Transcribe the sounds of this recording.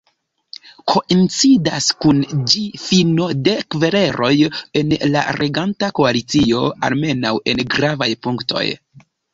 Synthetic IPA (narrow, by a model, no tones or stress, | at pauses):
kʰo̞ʔint͡sidaskund͡ʒifino̞de̞kve̞ɾe̞ɾʔo̞je̞nla̰ɾʔeɡantakoalit͡sio̞a̰lme̞nawe̞nɡɾavajpuŋkto̞̰j